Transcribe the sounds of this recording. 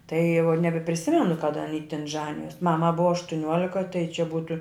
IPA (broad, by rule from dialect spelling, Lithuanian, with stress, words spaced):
tɐɪ jɛʊ nʲɛbʲɛpʲrʲɪˈsʲɪmʲɛnʊ kɐˈdɐ ɐˈnʲiː tʲɪn ˈʒɑːnʲɪjoːs ˈmɑːmɐ ˈbʊʋɐ ɐʃtʊˈnʲuɔlʲɪkɐ tɐɪ t͡ʃʲɛ ˈbuːtʊ